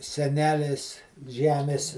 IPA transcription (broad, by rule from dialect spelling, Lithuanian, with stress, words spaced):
sʲɛˈnʲæːlʲeːs ˈʒʲæːmʲeːs